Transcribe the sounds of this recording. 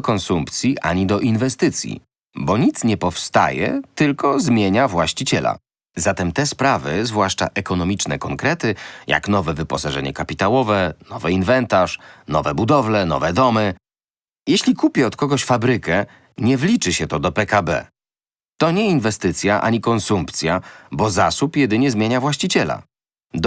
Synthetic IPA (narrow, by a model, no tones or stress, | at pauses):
kɔnsumpt̪sʲjiʔa̰ɲid̪ɔʔinvɛst̪ɘt̪sʲjḭ | bɔɲit̪sɲɛpɔfst̪a̰jɛ̰t̪ɘlkɔzmʲjeɲavwaɕt͡ɕit͡ɕɛla̰ | zat̪ɛmt̪ɛspɾavɘzvwaʂt͡ʂa̰ʔɛkɔnɔmʲit͡ʂnɛkɔŋkɾɛt̪ɘja̰knɔvɛvɘpɔsaʐɛɲɛkapʲit̪awɔvɛnɔvɛinvɛnt̪aʂnɔvɛbud̪ɔvlɛnɔ̰vɛd̪ɔmɘ | jɛɕlʲikupʲjɛɔt̪kɔɡɔɕfabɾɘkɛ | ɲɛvlʲit͡ʂɘɕɛt̪ɔd̪ɔpɛkabɛ̰ | t̪ɔɲɛinvɛst̪ɘt̪sʲjaʔa̰ɲikɔnsumpt̪sʲjabɔzasupjɛd̪ɘɲɛzmʲjeɲavwaɕt͡ɕit͡ɕɛla̰ | d̪